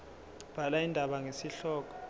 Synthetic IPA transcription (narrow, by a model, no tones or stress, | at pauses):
b̥ʱalaindʱaɓaŋesiɬɔːk̬ɔ̥